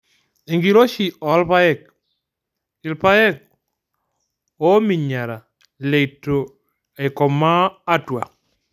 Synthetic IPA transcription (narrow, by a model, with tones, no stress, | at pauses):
e˨ŋɡi˦lo˦ʃi˨ɔ˨˦lpa˦ɛ˦˨k̚ | ɪ˨lpa˦ɛ˦k̚ | o˦mi˨ɲa˨ɾa˨ | le˨tːo˨ | e˨kɔ˨maː˦twa̰˨k̚